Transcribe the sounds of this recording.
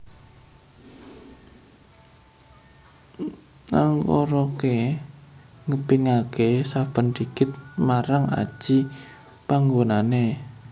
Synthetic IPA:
naŋkɔ̰ɾɔke | ŋəpiŋakesab̥ənd̪iɡ̥ɪt̪̚maɾaŋa̰̥ʒ̥i | paŋɡonane

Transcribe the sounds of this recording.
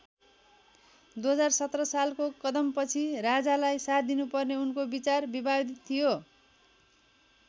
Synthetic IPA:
d̪uɦʌd͡zarsʌt̪rʌsalkokʌd̪ʌmpʌt͡sʰirad͡zalajsatd̪inupʌrneunkobit͡sarbibabd̪it̪ʰːijo

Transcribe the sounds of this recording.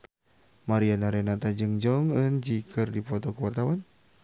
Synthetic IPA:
maɾianaɾɛnat̪ad͡ʒɨŋd͡ʒɔŋənd͡ʒikʰɨrdipɔt̪ɔkəwart̪awan

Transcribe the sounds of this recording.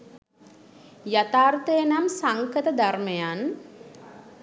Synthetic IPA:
jat̪aːrt̪əjenamsaŋkət̪əd̪arməjan

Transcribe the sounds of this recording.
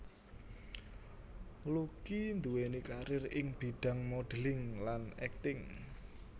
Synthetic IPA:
lukind̪uwenikaɾɪrɪŋb̥iɖ̥a̤ŋmoɖ̥ɛlɪŋlanɛk̚t̪ɪŋ

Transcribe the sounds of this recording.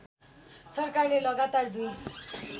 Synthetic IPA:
sʌrkarlelʌɡat̪ard̪ʱue

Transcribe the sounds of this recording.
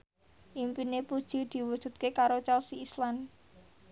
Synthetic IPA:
ʔimpinepud̥ʒ̥i̤d̪̥i̤wud̥ʒ̥ṳt̪̚kekaɾot͡ʃalsiislan

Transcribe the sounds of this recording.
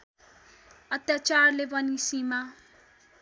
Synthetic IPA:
ʌt̪jat͡ʃarlebʌnisima

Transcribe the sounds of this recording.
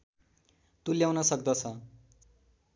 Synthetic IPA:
t̪uljawnʌsʌkd̪ʌt͡sʰʌ

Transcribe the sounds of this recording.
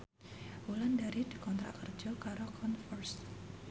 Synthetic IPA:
wulandaɾid̥i̤kɔnt̪ɾa̰kərd͡ʒɔkaɾokʰɔnfɔrst̪

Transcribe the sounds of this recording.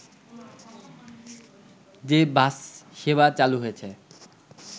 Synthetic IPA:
d͡ʑebʱasxewat͡ɕaluɦojet͡ɕʰɛ

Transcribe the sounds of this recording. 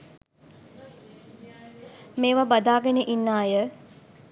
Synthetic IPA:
meːʋabad̪aːɡenəʔinːaːjə

